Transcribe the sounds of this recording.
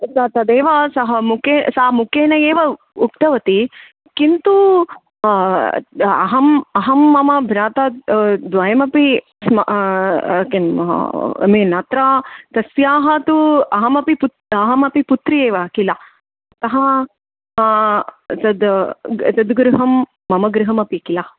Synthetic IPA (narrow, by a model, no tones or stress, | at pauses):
sɐt̪ɐd̪eːʋɐsɐɦɐmukeːsɐːɐmukeːnɐjeːʋɐ | ukt̪ɐʋɐt̪i | kint̪u | ɐ̰ɦɐmɐɦɐmːɐmɐbʱnaːt̪ɐd̪ʋɐjɐmɐpi | smɐ | k | meːnɐt̪ɾaːt̪ɐsjaːɦɐt̪uɐɦɐmɐpiputɐɦɐmɐpiput̪ɾijeːʋɐkilɐ | ɐt̪ɐɦɐ | t̪ɐd̪t̪ɐd̪ɡɾuɦɐmː | ɐmɐɡɾiɦɐmɐpiɐkilɐ